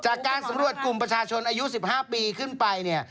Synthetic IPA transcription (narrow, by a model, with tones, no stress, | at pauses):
t͡ɕaː˨˩kːaː˧nsa˨˦mɾu˨˩ət̪̚ku˨˩mpɾa˧t͡ɕʰaː˧t͡ɕʰo˧nʔaː˧ju˦˥si˨˩p̚haː˥˩piː˧kʰɯ˥˩npa˧jni˥˩ɐ